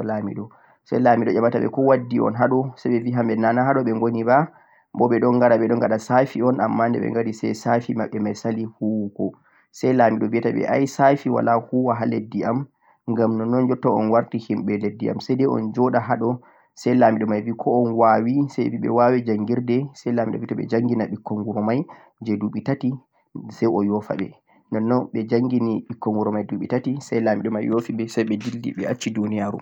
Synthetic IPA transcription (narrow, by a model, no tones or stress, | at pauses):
lamḭɗɔ | sa̰jlamiɗɔd͡ʒamataɓɛ̰kɔwadːiɔ̰nɦaɗɔsajɓɛviɦambɛnanaɦaɗɔɓɛŋɡoniba | bɔɓɛɗɔnɡaɾaɓɛɗɔŋɡaɗasafiɔnamːandɛ̰ɓɛ̰ŋɡaɾisɛ̰jsafimaɓːɛmajsalihuwkɔ | sɛjlamiɗɔvijataɓɛ̰ʔa̰jsafiwa̰lahuwaɦaledːiam | ŋɡamnɔnɔnd͡ʒɔtːaɔ̰nwaɾtihimɓɛledːia̰msajdɛɔ̰nd͡ʒɔɗaɦaɗɔ | sɛjlamiɗɔmajvikʰɔɔnwawisajviɓɛ̰wawɛd͡ʒaŋɡiɾdɛsɛjlamiɗɔ̰vitaɓɛ̰d͡ʒaŋɡinaɓikːɔŋɡuɾɔmaj | d͡ʒɛduɓitati | sɛjɔjɔfa̰ɓɛ̰ | nɔnːɔɓɛd͡ʒaŋɡiniɓikːɔŋɡuɾɔmajduɓitatisɛjlamiɗɔmajjofiɓɛsɛjɓɛdildḭɓɛat͡ʃːidunijaɾṵm